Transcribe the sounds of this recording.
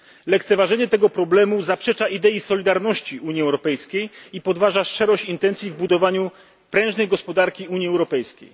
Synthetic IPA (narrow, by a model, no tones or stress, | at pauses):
lɛk̚t̪sɛvaʐɛɲɛt̪ɛɡɔpɾɔblɛmuzapʂɛt͡ʂaid̪ɛisɔlʲid̪aɾnɔɕt͡ɕiʔuɲiɛwɾɔpɛjskʲejipɔd̪vaʐaʂt͡ʂɛɾɔɕt͡ɕint̪ɛnt̪sʲjivbud̪ɔvaɲu | pɾɛ̃ʐnɛjɡɔspɔd̪aɾkʲiuɲiɛwɾɔpɛjskʲḛj